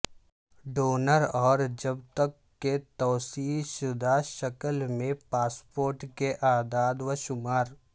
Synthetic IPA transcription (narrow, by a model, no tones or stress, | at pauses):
ɖoːnəɾɔːɾd͡ʒɐbt̪əkːet̪ɔːsiːlʃʊd̪ʱaʃɐkəlmẽpaːspoːɾʈkeʔaːd̪aːd̪ʋəʃʊmaːɾ